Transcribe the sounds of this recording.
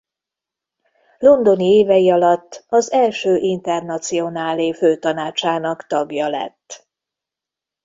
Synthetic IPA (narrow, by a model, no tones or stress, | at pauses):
lo̞nd̪o̞nieːvɛjiɒlɒt̪ːɒzɛlʃøːʔint̪ɛrnɒt̪sio̞naːliføːt̪ɒnaːt͡ʃaːnɒkt̪ɒɡjɒlɛ̰t̪ː